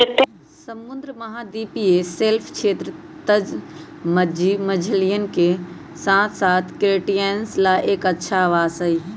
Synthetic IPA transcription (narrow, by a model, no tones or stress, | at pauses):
ɪt̪ːe | sɐmʊ̃nd̪ɾəmɐɦad̪iːpieseːlpʰt͡ʃʰeːt̪ɾət̪ɐd͡ʒ | mɐimɐd͡ʒʱəlijənɪ̆kʰe | sãːt̪ʰsaːt̪ʰkɾeːʈijenslaːʔeːkɐtːʃʰaʋaːssɐɦiː